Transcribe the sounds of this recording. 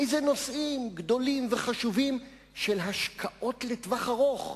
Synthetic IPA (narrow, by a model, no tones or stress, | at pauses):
jzeno̞sʔimɡd̪o̞limveχaʃuvim | ʃelɦaʃkʰaʔo̞tlet̪vaχaʁo̞χ